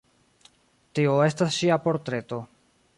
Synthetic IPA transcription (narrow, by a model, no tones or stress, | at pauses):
tioe̞stasʃiapo̞ɾtɾe̞to̞